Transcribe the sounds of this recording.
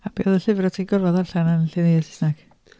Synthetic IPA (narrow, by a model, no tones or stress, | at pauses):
ab̥eːðəɬɪvrɔtʰinɡɔrvɔðaɬanənɬenejðɛsɪ̥snak